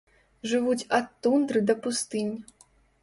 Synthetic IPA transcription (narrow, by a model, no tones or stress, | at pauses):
ʐɨvut͡sʲɐt̪ːund̪ɾɨd̪ɐpust̪ɨnʲ